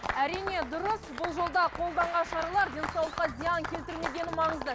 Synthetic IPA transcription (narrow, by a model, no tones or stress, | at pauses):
æɾijne̞d̪ʊɾəsbʊlˠʒo̞lˠd̪ɑqʰo̞lˠd̪ɑɴʁɑnʃɑɾɑlˠɑɾd̪ʲe̞nsɑwlˠəqːɑzʲijɑŋkʲʰe̞lt̪ɪɾme̞ɡʲe̞nɪmɑɴəzd̪ə